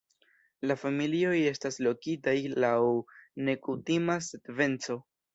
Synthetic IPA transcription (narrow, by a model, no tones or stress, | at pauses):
lafamilio̞je̞staslo̞kitajlawne̞kutimasedve̞nt͡so̞